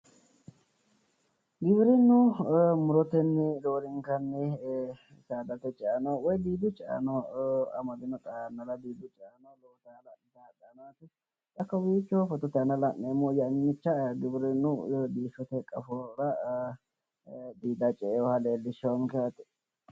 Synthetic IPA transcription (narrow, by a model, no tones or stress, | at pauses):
ɡɪbɪɾɪnːʊmʊɾɔt̪ɛnːɛd̪oːɾɪŋkɐnːɛ | saːd̪ɐt̪ɛt͡ʃʼɛɐnɔwɔjd̪iːd̪ʊt͡ʃʼɛɐ̰nɔɐ̰mɐd̪ɪnɔt̪anːɐlɐd̪iːd̪ʊt͡ʃʼɛɐnɔloːt̪alɐnd̪adɐːnaːt̪ɪ | t̪ʼɐkːɐwiːt͡ʃːɔfɔt̪ɔt̪ɛɐnɐlɐʔːeːmːɔjɐnːɪt͡ʃːɐɡɪbɪɾɪnːʊd̪iːʃɔt̪ɛkʼɐfɔɾɐ | d̪iːd̪ɐt͡ʃʼɛɔhɐleːlːɪʃɔŋkɛɐt̪ɪ̥